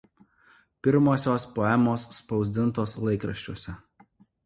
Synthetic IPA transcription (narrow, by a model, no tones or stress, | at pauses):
pʲɪɾmoːsʲoːspoːɛmoːsːpɒʊzʲd̪ʲɪnˑt̪oːslˠɐɪkɾɐʃʲt͡ʃʲoɔsʲɛ